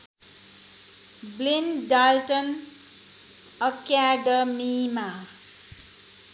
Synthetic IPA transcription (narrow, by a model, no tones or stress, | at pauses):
blinɖalʈʌn | ʌkjaɖʌmima